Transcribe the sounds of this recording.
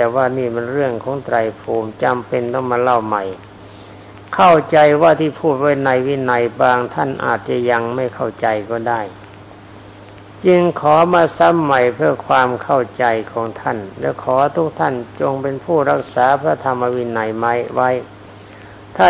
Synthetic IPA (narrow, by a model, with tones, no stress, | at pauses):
ɛː˨˩waː˧˩niː˥˩mɛ˧nɾɯ˥˩əŋkʰɔː˨˦ŋt̪ɾa˧jpʰuː˨˩mt͡ɕa˧mpe˧nt̪ɔː˧˩ŋmaː˧la˧˥˩wma˨˩j | kʰa˥˩wt͡ɕa˧jwaː˧˩t̪ʰiː˧˩pʰuː˥˩t̪̚wa˦˥jna˧jwi˧˨na˧jbaː˧ŋt̪ʰa˥˩nʔa̰ː˨˩t̪̚t͡ɕa˧˨ja˧ŋma˥˩jkʰa˥˩wt͡ɕa˧jkɔː˧˩daː˥˩j | t͡ɕɯ˧ŋkʰɔː˨˩˦maː˧sa˧˦˥mːa˨˩jpʰɯ˥˩əkʰwaː˧mkʰa˥˩wt͡ɕa˧jkʰɔː˩˦ŋt̪ʰa˥˩nlɛː˧˥˩wkʰɔː˨˦t̪ʰu˦˥k̚t̪ʰa˥˩nt͡ɕo˧ŋpe˧npʰuː˥˩ɾa˦˥˩k̚saː˨˦pʰɾa˧˩˨t̪ʰa˧mːa˧wi˧˥na˨˧˩jma˦˥jwa˦˥j | t̪ʰaː˥˩